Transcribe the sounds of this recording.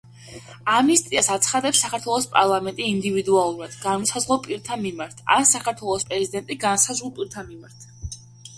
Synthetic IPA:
amist̪ʼiasat̪sʰχad̪ɛpsːakʰaɾt̪ʰwɛlˠɔspʼaɾlˠamɛnt̪ʼiːnd̪ivid̪ualˠuɾad̪̥ɡanmɔsazʁlˠɔpʼiɾt̪ʰanmimaɾt̪ʰa̰nsakʰaɾt̪ʰwɛlˠɔspʼɾɛzid̪ɛnt̪ʼiɡansazʁulˠpʼiɾt̪ʰanmimaɾt̪ʰ

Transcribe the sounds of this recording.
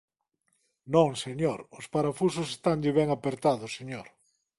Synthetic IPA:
nõŋseɲoɾʊspaɾafus̬ʊsest̪aŋd̪ɪβɛŋapeɾt̪aðʊsːeɲoɾ

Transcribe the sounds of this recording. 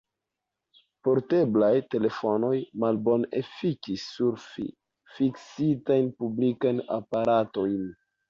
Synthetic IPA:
po̞ɾte̞blajte̞le̞fo̞no̞jmalbo̞nḛfikisːuɾfi | fiksitajnpublikajna̰paɾato̞jn

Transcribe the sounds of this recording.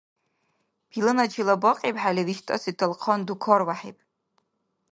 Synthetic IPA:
b̥ilɨnat͡ʃʰilabaqʼepʼħalʲiriʃtʼa̰sitʰɨlqʰɔndukʰɔrwaħḛjpʼ

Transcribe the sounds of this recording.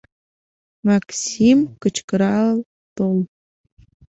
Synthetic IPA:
maksimkɨt͡ʃʰkʼɨɾa | tʼol

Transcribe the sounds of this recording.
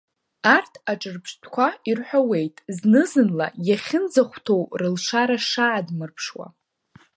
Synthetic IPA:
artʰaʈ͡ʂʼɨrpʰʂtʰkʷʰairħʷᶣawe̞jtʼznɨzɨnla̰jaχʲɪnd͡zaχʷtʰo̞wrɨlʂaɾaʂaʕːdmɨrpʰʂwa̰

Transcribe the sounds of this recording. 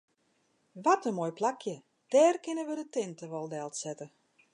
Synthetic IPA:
ʋɔtəmojplakʰjə | d̥ɛːrkɪnəʋədətɪntəʋɔlˠdɛlˠtsɛtə

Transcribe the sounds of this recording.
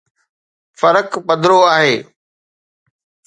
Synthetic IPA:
fɐɾəkpɐd̪ʱɾoaːɦeː

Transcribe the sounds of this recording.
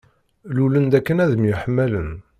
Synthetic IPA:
lulənd̪ækːənæðəmjʊħəmːælən

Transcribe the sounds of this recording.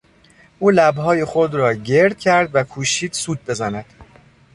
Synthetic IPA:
ʔuːlæbɦɒːjexo̞d̪ɾɒːɟe̞ɾd̪̥̚cʰæɾd̪vækʰuːʃiːd̪̥suːd̪̚be̞zænæd̪̥

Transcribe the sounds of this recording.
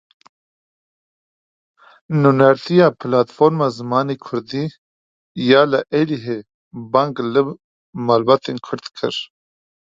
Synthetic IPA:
nunɛɾt̪ʰijɑːpʰɨlaːt̪foɾmaːzɨmaːneːkʰʊɾd̪iː | jaːlɨʔɛliɦe | baŋɡlɨ | maːlbaːt̪eːnkʰʊɾt̪kʰɨ̰ɾ

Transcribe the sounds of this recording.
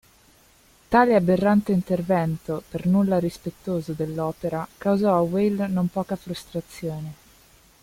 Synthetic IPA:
t̪aːleabːerːant̪eint̪ervɛnt̪opernulːaɾispet̪ːoːzod̪elːɔːpeɾakawzɔawelnompɔːkafɾust̪ɾat̪sːjoːne

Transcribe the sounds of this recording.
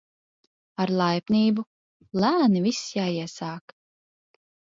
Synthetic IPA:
aɾlˠajpniːbu | lˠæːnivisjaːiɛsaːk

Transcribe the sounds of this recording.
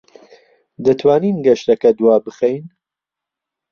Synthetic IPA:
d̪ɐt̪ʰwaːniːnɡɐʃt̪ɐkɐd̪waːbɨxejn

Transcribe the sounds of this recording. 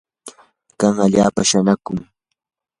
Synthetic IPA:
kaŋaʎaːpaʃanakʊŋ

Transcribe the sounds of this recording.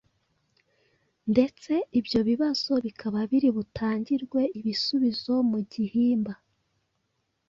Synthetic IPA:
nde̞t͡se̞ibjo̞βiβaz̥o̞βikʰaβaβiɾiβutʰaːɲɟiɾɡwe̞ʔiβisuβizo̞muɟihiːmba

